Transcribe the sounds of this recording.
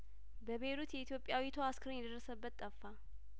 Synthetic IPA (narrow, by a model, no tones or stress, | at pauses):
bəβeɾut̪jɛit̪ʰjo̞pʼːjawit̪ʰoaskʰəɾənjɛd̪əɾrːəsəbːət̪ʼːəfːa